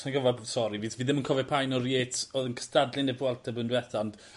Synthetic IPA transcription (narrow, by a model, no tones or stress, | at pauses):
anɡəvasɔɾiviːsviːðɪmənkʰɔvɛpʰajnɔrjeːtʰoːðənkʰə̥stadlˠɪnɛvwalˠtʰabəndwɛθand̥